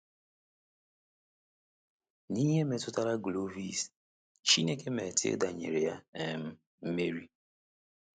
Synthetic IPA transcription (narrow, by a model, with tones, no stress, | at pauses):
ni˦ɲe˦me˨tʊ˦ta˦ɾa˦ɡlo˦vi˦s | t͡ʃi˦ne˦ke˦me˨tʰɪ̰˦da˨ɲḛ˨ɾe˨ja˦e˨m̩˦ | m̩˦me˦ɾi˦